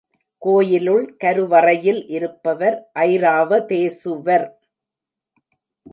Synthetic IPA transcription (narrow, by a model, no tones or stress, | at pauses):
koːjɪlɯɭkɐɾɯʋɐrɐjɪlʔɪɾɯpːɐʋɐɾʔɐɪɾaːʋɐt̪eːsɯʋɐɾ